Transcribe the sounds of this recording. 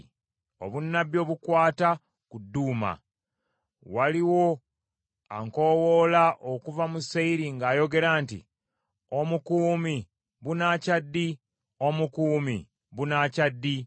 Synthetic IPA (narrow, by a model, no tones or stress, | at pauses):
o̞̰βunːaβjo̞ːβukwaːta | kudːuːma̰ | waliwo̞ | a̰ŋko̞wolaʔokuvamuseiɾiŋɡaːjo̞ɡe̞ɾaːntḭ | o̞mukuːmi | βunacadːi | o̞mukuːmḭ | βunaːcadːi